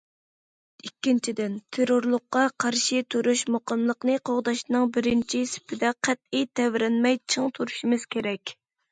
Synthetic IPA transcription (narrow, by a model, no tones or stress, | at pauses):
ikʲːint͡ʃʰid̪ɪnt̪ʰeɾoɾlˠʊqːɑqʰɑɾʃit̪ʰuɾuʃmoqəmlˠəqnɨqʰoʁd̪ɑʃnɨŋbɪɾɪnt͡ʃʰisɪ̥pʰɪd̪ɛqʰæt̪̚ijt̪ʰɛvɾɛnmɛjt͡ʃʰɨŋt̪ʰuɾuʃimɨz̥kʲeɾɛkʲ